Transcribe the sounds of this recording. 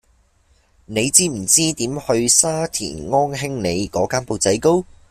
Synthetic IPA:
ne˨˧jt͡siː˥m̩˨˩t͡siː˥t̪iː˨˥mhɵ˧ɥsaː˥t̪ʰḭː˨˩nŋɔː˥nɦɪ˥ŋne˨˧jkɔː˨˥kaː˥npo˨˧wt͡sɐ˨˥jko˥w

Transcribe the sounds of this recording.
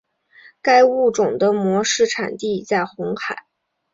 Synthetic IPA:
ka˥ɪu˥˩ʈ͡ʂʊ˨˩ŋd̪ə˦mwɔ˧˥ʂɻ̩˥˩ʈ͡ʂʰa̰˨˩nt̪i˥˧t͡sa˥˩ɪxʊ˧˥ŋxa˨˩˦ɪ

